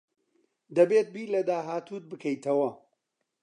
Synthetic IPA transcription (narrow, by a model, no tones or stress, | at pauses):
d̪ɐbeːt̪̚biːlɐd̪aːɦaːt̪uːt̪̚bɨkʰɐjt̪ʰɐwɐ